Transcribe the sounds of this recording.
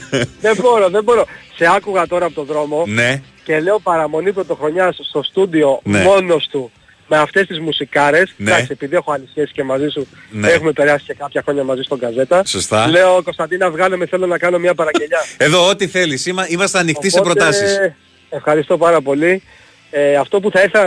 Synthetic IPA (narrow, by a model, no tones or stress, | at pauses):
ðe̞bo̞ɾo̞ðe̞bo̞ɾo̞se̞ɐkuɣɐt̪o̞ɾɐːpot̪o̞ðɾo̞mo̞ne | ce̞le̞o̞pɐɾɐmo̞nipɾo̞t̪o̞xɾo̞ɲɐsst̪o̞st̪ud̪io̞nemo̞no̞st̪u | me̞ɐft̪e̞st̪izmusikɐɾe̞snɐksie̞piðie̞xoɐlisçesi̥ce̞mɐzisune̞xume̞pe̞ɾɐsi̥ce̞kɐpçɐxɾo̞ɲɐmɐzist̪o̞ɡɐze̞t̪ɐsost̪ɐle̞oko̞st̪ɐnd̪inɐvɣɐlemeθe̞lo̞nɐkɐno̞miɐpɐɾɐɲɟe̞ʎɐeðo̞ot̪iθe̞lisimɐimɐst̪eɐnixt̪ispepɾott̪ɐsis | efxɐɾist̪o̞pɐɾɐpo̞li | ɐft̪o̞p̬uθɐiɾθel